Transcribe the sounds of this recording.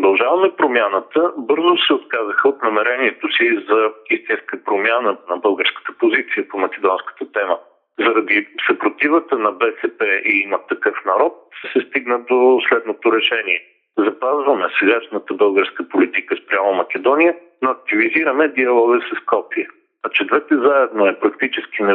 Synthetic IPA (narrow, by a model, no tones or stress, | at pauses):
od̪ɐlˠʒavɐmɛpɾomʲjanət̪əbɤɾzosɛot̪̚kazəxəot̪nɐmɛɾɛniɛt̪osizɐist̪inskəpɾomʲjanənɐbɤlˠɡəɾskə̥t̪ə̥pozit̪sijəpomɐk̟ʲɛd̪ɔnskə̥t̪ət̪ɛmə | zɐɾɐd̪isɐpɾot̪ivət̪ənɐbɛsɛpɛʔiimət̪ːɐkɤfnɐɾɔt̪̚səsɛst̪iɡnəd̪oslɛd̪not̪oɾɛʃɛniɛ | zɐpazvɐmɛsɛɡaʃnət̪əbɤlˠɡəɾskəpolit̪ikəspɾʲjamomɐk̟ʲɛd̪ɔnijə | noɐk̚t̪iviziɾəmɛd̪iɐlˠɔɡəsɐskɔpiə | ɐt͡ʃɛd̪vɛt̪ɛzaɛd̪noɛpɾɐkt̪it͡ʃɛsk̟inɛ